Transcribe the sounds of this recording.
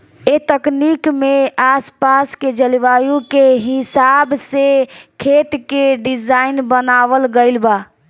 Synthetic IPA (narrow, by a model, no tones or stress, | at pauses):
et̪əknikmeaspasked͡ʒəliʋajukeɦisabsekʰet̪keɖid͡ʒaɪnbənaʋəlɡəɪlba